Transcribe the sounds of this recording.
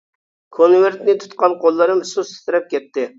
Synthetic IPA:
kʰonveɾt̪nɪt̪ʰu̥t̪qɑnqolˠːɨɾɨmɨsust̪ɪ̥t̪ɪɾɛp̚kʲɛt̪ːɪ

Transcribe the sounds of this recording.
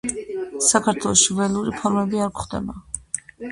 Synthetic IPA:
sakʰaɾt̪ʰwɛlˠɔʃivɛlˠuɾipʰɔɾmɛbiaɾkχd̪ɛ̰ba

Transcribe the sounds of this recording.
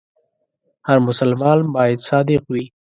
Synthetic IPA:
haɾmʊsalmɑːnbɑːjad̪sɑːd̪ɪqwi

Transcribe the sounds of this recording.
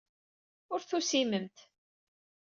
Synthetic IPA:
ʊɾθusiməmt̪

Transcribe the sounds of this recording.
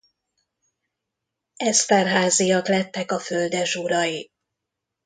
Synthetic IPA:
ɛst̪ɛrɦaːzijɒklɛt̪ːɛkɒføld̪ɛʒuɾɒji

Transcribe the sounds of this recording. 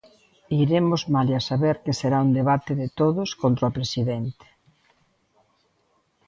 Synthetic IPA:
iɾemʊzmaliasaβeɾkɪseɾaund̪eβat̪ɪðɪt̪oðʊskont̪ɾopɾesiðent̪e̥

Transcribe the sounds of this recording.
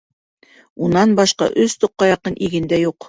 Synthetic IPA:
unɑnbɑʃqɑ̰ʔɵst̪ŏqːɑjɑqɤnʔiɡɘ̆nd̪æjuq

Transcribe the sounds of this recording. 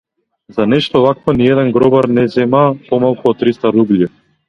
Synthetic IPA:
zanɛʃt̪ɔvakvɔniɛd̪ɛnɡɾɔbaɾnɛzɛmapɔmalˠkuɔt̪ːɾist̪aɾublʲji

